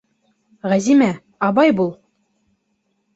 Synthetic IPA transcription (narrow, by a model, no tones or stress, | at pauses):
ʁæzimæ | ɑbɑjbulˠ